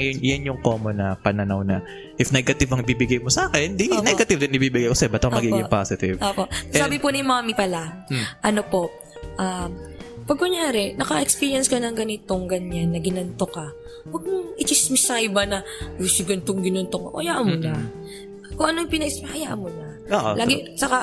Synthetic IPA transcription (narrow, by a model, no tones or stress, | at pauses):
jʊnjɐnjʊŋkoːmonɐpɐnɐnawnɐ | ʔɪfnɛɡɐt̪ɪvɐŋɪbibɪɡajmosɐʔaːkɛnd̪inɛɡɐt̪ɪvd̪ɪnɪbibɪɡajʔosɛbɐt̪ːɐmɐɡiːpɡɪpasɪt̪ɪ̰vʔoːpoʔʔɛsaːbɪponɪmaːmipɐlaʔɐno̞po̞ʔ | ʔampɐɡ̚kʊɲaːɾɛnɐkɐʔɛkspiːɾjɐnskɐnɐŋɡɐnɪt̪o̞ŋɡɐɲanːɐɡɪnɐnt̪okɐ | wɐɡ̚mʊŋʔɪt͡ʃɪsmɪsajɪbanɐ | osɪɡɐnt̪oŋɡɪnont̪okʔoʔɐjaːʔɐnmʊnɐ | koŋʔɐnojŋpɪnɐʔɪsmɐhɐjaʔɐnmʊnɐ | oːʔolʔaːɡɡɪt͡ʃɐka